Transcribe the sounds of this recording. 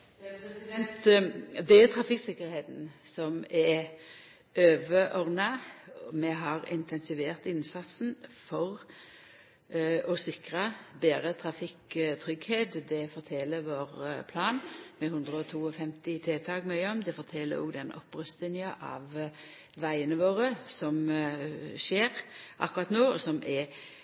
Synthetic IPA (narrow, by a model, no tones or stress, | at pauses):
pʰɾɛsɪd̪ɛnt̪d̪ɛɛt̪ʰɾɑfɪksɪkːəɾheːt̪n̩sɔmɛ | ʔøːʋəʔɔʁnɑmɛɦɑʁɪ̰nt̪ʰɛnsɪʋeːʁt̪ɪnsɑt̪snfɔʁ | ɔsɪkʁəbeːɾət̪ʰɾɑfɪkt̪ʰɾʏɡheːt̪d̪ɛfɔʁt̪ʰɛləʋoːʁpʰlɑːnmɛhʉnd̪ʁəɔt̪ʰuːɔfɛmt̪ɪt̪ʰeːt̪ʰɑːɡmæɪɔmd̪ɛfɔʁt̪ʰɛlə̰ɾo̰ːɡd̪ɛnɔ̰pːʁœst̪ɪnɪəʔɑ̰ʋː | æɪənəʋoːʁəsɔm | ʃeːʁʔɑ̰kːʉʁɑt̪noːɔsɔmʔɛ